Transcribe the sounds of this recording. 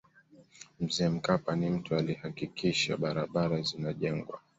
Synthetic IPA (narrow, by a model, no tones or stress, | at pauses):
m̩zɛːm̩kapanim̩tualihakikʰiʃa̰ɓaɾaɓaɾazinaʄɛŋɡwa̰